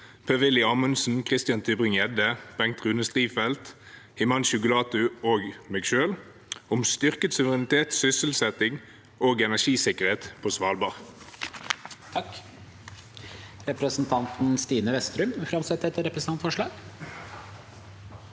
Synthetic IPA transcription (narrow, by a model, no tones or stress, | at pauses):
pʰøʋɪlɪɑːmʉnsn̩kʰʁɪst̪ɪjɑnt̪ʰyːbʁɪŋɛd̪əb̥ɛŋkt̪ʁʉːnəst̪ʁiːfɛlt̪ | hɪmɑnʃʊkʊlɑːt̪ʉoːɡmeːɡʃøːl | ʊmst̪ʏʁkət̪sʉʋəʁɛnɪt̪ʰeːt̪sʏsəl̩sɛt̪ɪŋ | oːɡɛnæʃiːsɪkəʁheːt̪pʰoːsʋɑːlbɑʁ | t̪ʰɑk | ɾɛpɾəsnt̪ʰɑnt̪n̩st̪iːnəʋɛst̪ɾʉmfɾɑmsɛt̪ːɛt̪ːəɾɛpɾəsn̩ɑnt̪fɔʂɭɑːɡ̥